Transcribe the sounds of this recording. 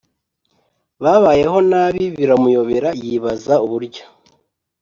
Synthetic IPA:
βaβaːje̞ɦo̞naːβiβiɾamujo̞βe̞ɾajiβazauβuɾɟa

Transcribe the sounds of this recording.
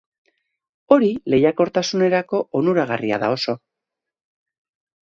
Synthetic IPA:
o̞ɾile̞jako̞ɾt̪asune̞ɾako̞ʔonuɾaɣ̞aria̰ða̰o̞so̞

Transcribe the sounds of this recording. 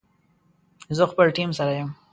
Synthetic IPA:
zəxpəlʈimsaɾajəm

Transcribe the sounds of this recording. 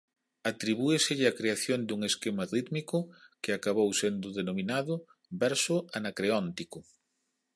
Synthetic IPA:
at̪ɾiβ̞uesɪʎɪakɾeaθjond̪uŋeskemarit̪mikʊkɪakaβowsend̪ʊðenomĩnaðʊ | bɛɾsʊanakɾeɔnt̪ikʊ

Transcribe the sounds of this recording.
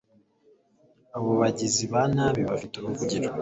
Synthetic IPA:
aβoβaɟiziβanaβiβafiteɾokuɟiɾo

